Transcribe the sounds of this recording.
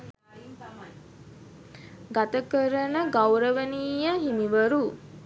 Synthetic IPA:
ɡat̪əkəɾənəɡawɾəʋəniːjəɦimiʋəɾu

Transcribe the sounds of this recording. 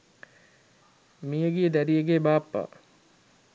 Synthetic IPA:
mijəɡied̪æɾijeɡebaːpːa̰

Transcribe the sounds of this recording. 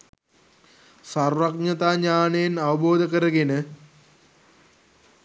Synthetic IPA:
sarʋak̚nɐt̪aːɲaːnejenaʋəboːd̪əkəɾəɡenə

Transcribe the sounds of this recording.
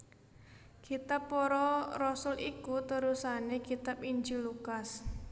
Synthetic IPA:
kit̪apːɔɾɔrɔsʊlʔikut̪əɾusanekit̪apiɲd͡ʒilukas

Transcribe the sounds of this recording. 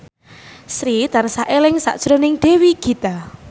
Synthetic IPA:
sɾit̪ansaʔelɪŋsa̰ʔd̥ʒ̥ɾɔnɪŋɖ̪̥e̤wiɡ̥i̤t̪a

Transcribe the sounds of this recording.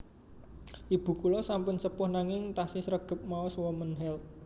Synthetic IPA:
ʔib̥ṳkulɔsampʊnsəpʊhnaŋɪŋt̪asisɾəɡ̥ə̤p̚maɔswɔmənɦɛlt̪̚

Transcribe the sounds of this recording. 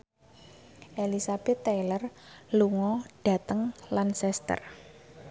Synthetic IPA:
ʔelisab̥ɛt̪ːɛjlərluŋɔɖ̥a̤t̪əŋlansɛst̪ə̰r

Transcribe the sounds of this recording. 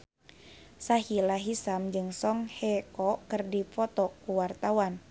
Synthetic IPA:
saɦilaɦisamd͡ʒɨŋsɔŋhɛkɔkərdifɔt̪ɔkuwart̪awan

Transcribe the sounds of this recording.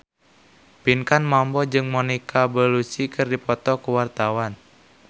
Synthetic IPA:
pinkanmɔmbɔd͡ʒɨŋmɔnikʰabəlusikɨrdipɔt̪ɔkuwart̪awan

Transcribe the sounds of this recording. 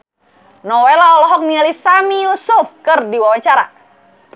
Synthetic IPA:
nɔwɛlaɔlɔɦɔk̚nialisamijusufkɨrdiwawaɲt͡ʃaɾa̰

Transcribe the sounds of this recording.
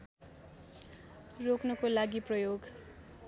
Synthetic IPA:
roknʌkolaɡiprʌjoɡ

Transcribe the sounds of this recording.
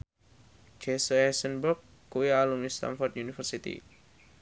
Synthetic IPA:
d͡ʒesəɛsənburkːujalumist̪a̰nfɔrt̪junifərsit̪ḭ

